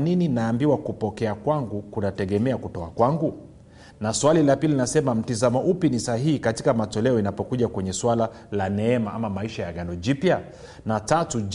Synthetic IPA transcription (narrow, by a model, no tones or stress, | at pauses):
nininaːmbiwakupɔkɛakwaŋɡukunatɛɠɛmɛakutɔakwaŋɡu | naswalilapilinasɛmam̩tizamɔʔupinisahihikatikamatɔlɛɔinapɔkuʄakwɛɲɛswala | lanɛɛmaʔamamaiʃajaɠanɔd͡ʒipja | natatu